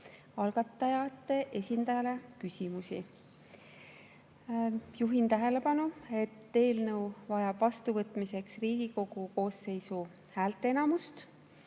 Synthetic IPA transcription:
ɑlɡ̥ɑt̪ːˑɑjɑt̪ːˑe̞ʔe̞sʲind̪̥ɑjɑle̞kysʲimusi | juɦint̪æɦe̞le̞pɑnue̞t̪ːe̞ːlnɤwvɑjɑb̥vɑst̪uvɤt̪ːˑmise̞ksriːɡ̥iko̞ɡ̥uko̞ːse̞jsu | hæːlt̪ːˑeenɑmust̪

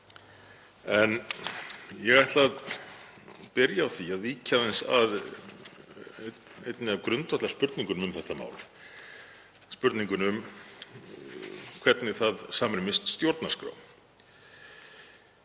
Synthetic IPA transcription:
ɛn | jɛɣajht̪lað | pɪɾjaːwθiaðviːcʰaðɛnsa̰ð | ejt̪nɪavkɾʏnt̪ʰɔht̪aɾspʏɾt̪niŋkʏnʏmθɛht̪ama̰ːwl | spʏɾt̪niŋkʏnʏm | kʰvɛɾt̪nɪθaðsaːmɾɪmɪst̪st̪jowɾt̪naɾ̥skɾa̰ːwm

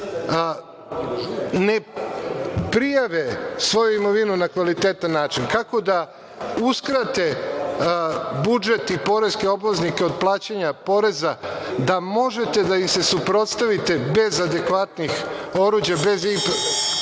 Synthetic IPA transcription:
ne | pɾijaʋesʋo̞juimo̞ʋinunakʋalit̪eːt̪anːaːt͡ʃinkako̞d̪a | uskɾat̪e̞ | bud͡ʒe̞t̪ipo̞ɾe̞ske̞o̞blaznike̞o̞d̪̚plˠaːt͡ɕaɲapo̞ɾe̞zad̪amo̞ʒe̞t̪e̞d̪aimse̞supɾo̞t̪st̪aʋit̪e̞be̞zad̪e̞kʋat̪nixo̞ɾuːd͡ʑjabe̞zip

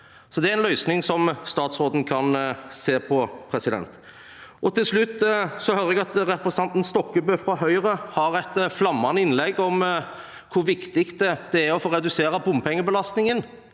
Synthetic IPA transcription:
sɔd̪ɛæɾɛnlœʏsnɪŋsɔmst̪ɑːt̪sɾoːd̪n̩kʰɑnseːpʰɔpʰɾɛsɪd̪ɛ̰nt̪ | ʔɔt̪ʰɪlslʉt̪ːsɔhøɾəɛɡɑt̪ɾɛpɾɛsn̩ɑnt̪n̩st̪ɔkːəbøːfɾɑɦœʏɾəhɑɾɛt̪flɑmːɑnəɪnlɛɡːɔm | kʰʊɾʋɪkt̪ɪkt̪̚ɛd̪̥ɛæɾɔfoːɾɛd̪ʉseːɾɑbʊmpʰɛŋːəbəlɑst̪nɪŋən

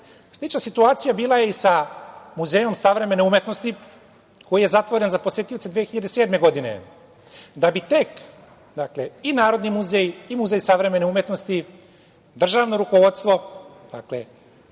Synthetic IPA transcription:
slit͡ʃnasit̪uaːt̪sijabiːlˠaje̞isamuzeːjo̞msaʋɾe̞me̞neumje̞t̪no̞st̪i | ko̞jije̞zat̪ʋo̞ɾe̞nzapo̞sje̞t̪ijo̞t̪sed̪ʋeːxiʎad̪e̞se̞ːd̪me̞ɡo̞d̪ine̞̰ | d̪abit̪e̞k | d̪akleinaːɾo̞d̪nimuzejimuzejsaʋɾe̞me̞neumje̞t̪no̞st̪i | d̪r̩ʒaːʋno̞ɾuko̞ʋo̞d̪st̪ʋo̞d̪̥a̰klḛ

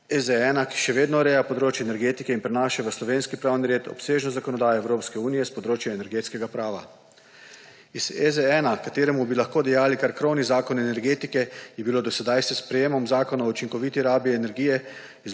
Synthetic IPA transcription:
ɛzɛɛːnaki̥ʃɛʋeːd̪nɔɾɛːjapɔd̪ɾoːt͡ʃjɛnɛɾɡeːt̪ikɛinpɾɛnaːʃaʋəslɔʋeːnskipɾaːwniɾeːt̪ɔ̰pseːʒnɔzakɔnɔd̪aːjɔɛwɾoːpskɛuːnijɛspɔd̪ɾoːt͡ʃjɛɛnɛɾɡeːt̪skɛɡapɾaːʋa | izɛzɛɛnakat̪eːɾɛmubilaxkoːd̪ɛjaːlikaɾkɾownizaːkɔnɛnɛɾɡeːt̪ikɛjɛbiloːd̪ɔsɛd̪ajsɛspɾɛjeːmɔmzaːkɔnaut͡ʃiŋkɔʋiːt̪iɾaːbiɛnɛɾɡiːjɛ | iz

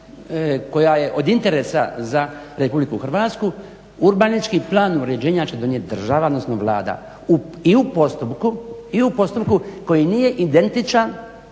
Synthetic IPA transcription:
ko̞jaje̞ʔo̞d̪int̪e̞ɾe̞sa̰zaɾe̞publikuxr̩ʋat̪sku | uɾbanit͡ʃkiplˠaːnuɾe̞d͡ʑe̞ːɲat͡ɕe̞d̪o̞njet̪̚ʲd̪r̩ʒaʋad̪nosnoʋlˠa̰ːd̪a̰ | u | iupo̞st̪upkuiupo̞st̪upkuko̞jinije̞ʔid̪e̞nt̪it͡ʃan

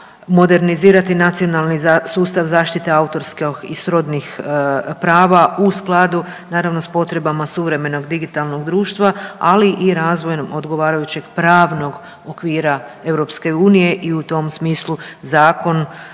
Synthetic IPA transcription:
mo̞d̪e̞ɾniziːɾat̪inat̪sio̞nalˠnisuːst̪aʋzaːʃt̪it̪e̞aut̪o̞ɾskoxisɾo̞d̪nixpɾaːʋausklˠad̪u | naːɾaʋno̞spo̞t̪ɾe̞bamasuʋɾe̞me̞no̞ɡd̪iɡit̪alˠno̞ɡd̪ɾuːʃt̪ʋaaliʔiɾaːzʋo̞jomo̞d̪ɡo̞ʋaːɾajut͡ɕe̞ɡpɾaːʋno̞ɡ | okʋiːɾae̞wɾo̞pske̞uːnije̞ʔiut̪o̞msmiːslˠuzaːko̞n

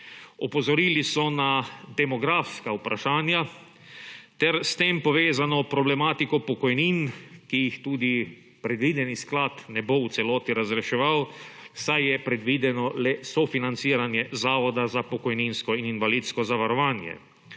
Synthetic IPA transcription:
ɔpɔzɔɾiːlisɔnad̪ɛmɔɡɾaːfskaupɾʔaʃaːnja | t̪ɛɾst̪eːmpɔʋeːzanɔpɾɔblɛmaːt̪ikɔpɔkɔjniːnkijixt̪uːd̪i | pɾɛd̪ʋiːd̪ɛnisklaːt̪nɛbowt̪sɛlɔːt̪iɾazɾɛʃɛʋaw | sajjɛpɾɛd̪ʋiːd̪ɛnɔlɛsɔfinant̪siːɾanjɛzaːʋɔd̪azapɔkɔjninskɔininʋaliːt̪skɔzaʋaɾɔʋaːnjɛ̰

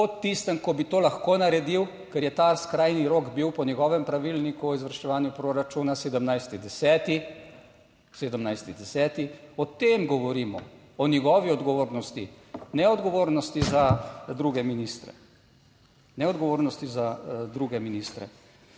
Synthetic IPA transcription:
pɔt̪ːist̪əmkɔbit̪oːlaxkoːnaɾɛd̪iw | kɛɾjɛt̪askɾajniɾoːɡbiwpɔnjɛɡɔːʋɛmpɾaʋilnikuɔizʋəɾʃt͡ʃɛʋaːnjupɾoɾat͡ʃuːnaseːd̪əmnajst̪id̪ɛsɛːt̪i | seːd̪əmnajst̪id̪ɛsɛːt̪iɔt̪emɡɔʋɔɾimɔ̰ | ɔnjɛɡɔːʋiɔd̪ɡɔʋoːɾnɔst̪i | nɛɔd̪ɡɔʋoːɾnɔst̪izad̪ɾuɡɛminist̪ɾɛ̰ | nɛɔd̪ɡɔʋoːɾnɔst̪izad̪ɾuɡɛminist̪ɾɛ̰

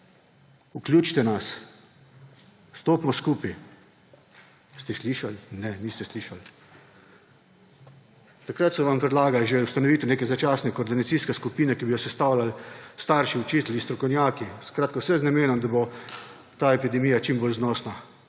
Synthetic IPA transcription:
uklʲjuːt͡ʃt̪ɛnas | st̪oːpmɔskuːpi | st̪ɛsliːʃalnɛniːst̪ɛsliːʃal | t̪akɾat̪sɔʋampɾɛd̪laːɡalʒeust̪anɔʋiːt̪ɛneːkɛzat͡ʃaːsnɛkoɔːɾd̪inat̪siːskɛskupiːnɛkibijɔsɛst̪awlalst̪aɾʃiut͡ʃiːt̪list̪ɾɔkɔwnʲjaːkiskɾaːt̪kawsɛznameːnɔmd̪abo | t̪aːepid̪ɛmijat͡ʃimboːlznɔːsna

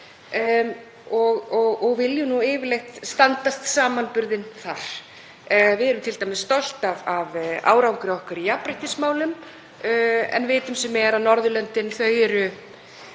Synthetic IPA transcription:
ɔɣɔɣɔɣvɪljʏnuɪːvɪlejht̪st̪ant̪ast̪saːmanpʏɾðɪnθaɾ̥ | vɪðɛɾʏmt̪ʰɪlt̪ajmɪst̪ɔl̥t̪avava̰ːwɾawŋkɾɪɔhkaɾijapɾɪhc̪ɪsmaːwlʏm | ɛ̰nveːt̪ʏmsɛmɛɾanɔɾðʏlœnt̪ɪnθœːɥɾʏ

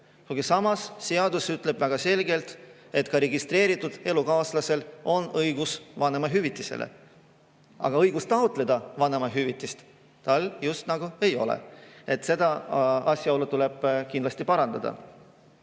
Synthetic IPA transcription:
kuɡ̥isɑmɑsːe̞ɑd̪usyt̪ˑle̞b̥væɡ̥ɑse̞lɡe̞lt̪ | e̞t̪ːkɑɾe̞ɡist̪re̞ːɾit̪ːˑud̪̥e̞lukɑːslɑse̞lo̞nɤjɡ̥usvɑne̞mɑɦyvit̪ːˑisḛlʔḛ | ɑ̰ɡ̥ɑɤjɡ̥ust̪ɑot̪ˑle̞d̪̥ɑvɑne̞mɑɦyvit̪ːˑist̪ | t̪ɑljust̪nɑɡ̥ue̞jo̞̰lḛe̞t̪se̞d̪̥ɑɑsʲjɑɑwlut̪ule̞b̥kind̪lɑsʲt̪ipɑɾɑnd̪̥ɑd̪̥ɑ̰

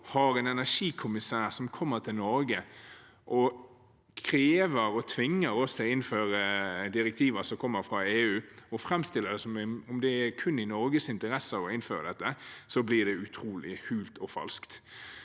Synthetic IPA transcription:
hɑɾɛːnɛnæʂiːkʰʊmɪsæːɾsɔmkʰɔmːəɾt̪ʰɪlnɔɾɡə | ʔɔ | kʰɾeːʋəɾɔt̪ʰʋɪŋːəɾɔst̪ʰɪlɔɪnføːɾəd̪ɪɾɛk̚t̪ʰiːʋəsɔmkʰɔmːəɾfɾɑeːʉːɔfɾɛmst̪ɪlːəd̪ɛsɔmɛʊmd̪ɛæɾkʰʉnːɪnɔɾɡəsɪnt̪əɾɛsəɑʋɔɪnføːɾəd̪ɛt̪ːəsɔblɪd̪ɛʉt̪ʰɾuːlɪ̰hʉːlt̪ʰɔfɑ̰lskt̪

